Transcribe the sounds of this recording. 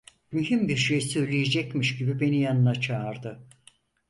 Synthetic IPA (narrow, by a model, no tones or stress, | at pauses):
myɦymbiɾʃejsøjlʲijed͡ʒɛcmiʃɟibibe̞nijanɯnat͡ʃʰaːɾd̪ɯ